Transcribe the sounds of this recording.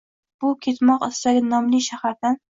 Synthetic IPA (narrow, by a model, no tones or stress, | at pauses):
b̥ʊkʲʰet̪mɒqɪst̪aɡʲɪnɒmlɪʃahaɾd̪an